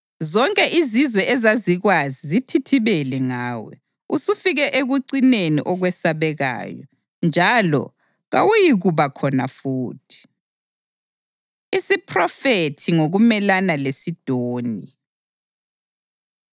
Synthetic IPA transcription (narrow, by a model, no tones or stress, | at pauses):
zɔŋkʼɛʔizizwɛʔɛzaziɣwazizitʰitʰiβɛlɛŋaːwɛ̰ | usufiɣɛʔeɣuǀinenḭʔɔɣwɛsaβɛɣa̰ːjɔ̰ | nd͡ʒʱalɔ̰ | ɣawujiɣuβakʰɔna̰fuːtʰi̥ | isipʰrɔfetʰiŋoɣumɛlanalesid̥ʱoːni